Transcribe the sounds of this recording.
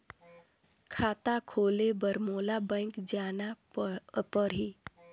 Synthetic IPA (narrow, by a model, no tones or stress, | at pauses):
kʰaːt̪akʰoːlebəɾmoːlabə̃ŋkd͡ʒaːna | pəɾi